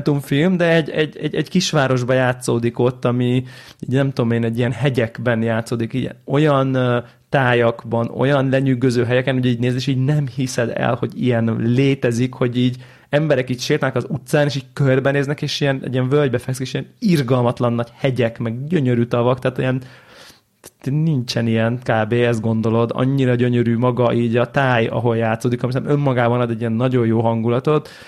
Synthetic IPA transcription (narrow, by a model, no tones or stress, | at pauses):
nt̪uɱfilmd̪ɛɛɟɛɟːɛ̰ɟɛɟkiʃʋaːɾo̞ʒbɒjaːt̪soːd̪iko̞t̪ːɒmi | iːɟnɛmt̪ud̪omeːnɛɟːijɛnɦɛɟɛɡbɛnjaːt̪soːd̪ikḭːɟɛ̰o̞jɒn | t̪aːjɒɡbɒno̞̰jɒnlɛɲyɡøzøːɦɛɟɛkɛnhuɟiːɟneːzeːʃiːɟnɛmhisɛd̪ɛ̰lho̞ɟḭjɛnleːt̪ɛzikho̞ɟiːɟ | ɛmbɛɾɛkiːcʃeːrt̪ɛnɛkɒzut̪saːneːʃiːɟ̚kørbɛneːznɛkeːʃijɛnɛ̰ɟːiɛɱvølɟbɛfɛksikeːʃiɛnirɡɒlmɒt̪lɒnːɒɟhɛɟɛkmɛɡɟøɲøɾyːt̪ɒvɒkt̪ɛaːt̪ijɛn | t̪nnint͡ʃɛnijɛnkaːbeːɛst̪ɡo̞nd̪o̞lo̞d̪ɒ̰ɲːiɾɒɟøɲøɾyːmɒɡɒʔiːɟɒt̪aːjɒ̰ɦo̞ljaːt̪soːd̪ikɒmisɛmømːɒɡaːbɒnɒd̪ɛɟiɛnːɒɟo̞jjoːɦɒŋɡulɒt̪o̞t̪